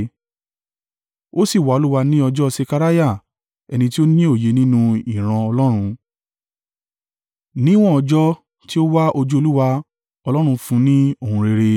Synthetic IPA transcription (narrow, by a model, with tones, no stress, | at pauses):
o˦si˦˨wa˦o˧lu˦wa˧nĩ˦ɔ˧d͡ʒɔ˦se˧ka˧ɾa˦ja˦˨ | ɛ˧nĩ˧t̬i˦o˦nĩ˦o˦˨je˨˧nĩ˦nũ˧i˦˨ɾ̃ã˧ɔ˧lɔ˦ɾ̃ũ˧ | nĩ˦w̃ɔ̃˦ɔ˧d͡ʒɔ˦ | ti˦o˦wa˦ʔo˧d͡ʒu˦o˧lu˦wa˧ | ɔ˧lɔ˦ɾ̃ũ˧fũ˧˦nĩ˦o˦˨hũ˧ɾe˧ɾe˧